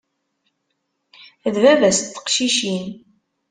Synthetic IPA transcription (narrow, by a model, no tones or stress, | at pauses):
ðvævæst̪ːə̥qʃiʃin